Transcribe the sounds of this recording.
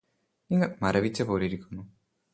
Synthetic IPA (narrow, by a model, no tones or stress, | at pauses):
niŋɡɐɭmɐɾɐʋit͡ɕːɐpoːɾiɾikʲːunːu